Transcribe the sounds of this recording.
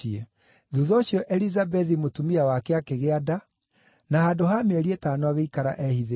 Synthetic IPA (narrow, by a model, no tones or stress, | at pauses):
ie | ðuðɔɕjɔʔɛlizabɛðimotumiawakeakeɣeada | nahaːdoɦameɛɾietaːnoaɣeikaɾa̰ʔɛhiðe